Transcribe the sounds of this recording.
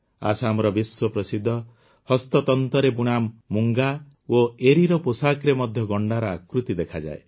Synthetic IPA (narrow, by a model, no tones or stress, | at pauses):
a̰samɔɾɔbiswɔpɾɔsid̪ʱːɔ | hɔst̪ɔt̪ɔnt̪ɔɾebuɽ̃amːuŋɡa | oeɾiɾɔposakɾemɔd̪ʱjɔɡɔɳɖaɾaakɾut̪id̪ekʰad͡ʒa̰e